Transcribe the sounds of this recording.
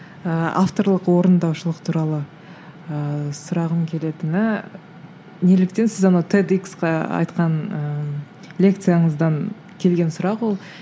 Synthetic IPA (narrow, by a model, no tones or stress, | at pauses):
əa̰ft̪o̞ɾlˠəqwo̞ɾənd̪ɑwʃəlˠəqt̪ʰuɾɑlˠə | əsʊɾɑʁəmkʲʰe̞le̞t̪ɪnɪ | ne̞lɪk̚t̪e̞nsɪzɑnɑwt̪ʰed̪iksqɑɑ̰jt̪qɑnə | lʲe̞k̚t̪sɨjaɴəzd̪ɑŋ | kʲʰe̞lɡʲe̞nsʊɾɑqwo̞lˠ